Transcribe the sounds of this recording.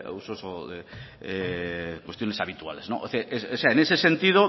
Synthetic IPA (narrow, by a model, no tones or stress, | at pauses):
usosoe | ekwe̞st̪jo̞nesaβit̪ua̰le̞znoʔoseʔesoseaenese̞sent̪ið̞o